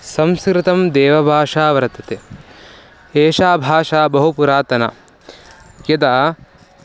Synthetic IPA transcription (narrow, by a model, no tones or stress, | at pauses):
sɐ̃mskɾɪt̪ɐmd̪eːʋɐbʱaːʂaːʋɐɾɐt̪ɐt̪e | eːʃaːbʱaːʂaːbɐɦupuɾaːt̪ɐna̰ | kjɐd̪aː